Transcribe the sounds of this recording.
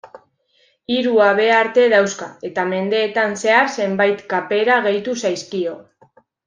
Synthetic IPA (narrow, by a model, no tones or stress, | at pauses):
iɾuaβe̞aɾt̪e̞ðawskae̞t̪ame̞nd̪e̞ːt̪anse̞aɾse̞mbajt̪kape̞ɾaɣ̞e̞jt̪usajskio̞